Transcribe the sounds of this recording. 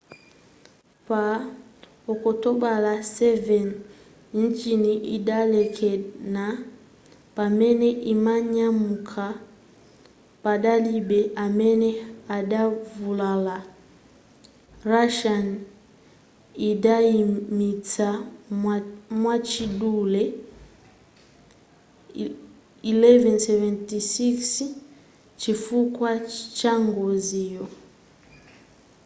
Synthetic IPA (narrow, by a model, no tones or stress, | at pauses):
pa | ɔkɔtɔbalasɛvɛn | n̩t͡ʃiniʔidalɛkʰɛna | pamɛnɛʔimaɲamukʰa | padalibɛamɛnɛadavulala | raʃan | idaimita | mwat͡ʃidulɛ | ilɛvɛnsɛvɛntisiks | t͡ʃifukwat͡ʃaŋɡɔzijɔ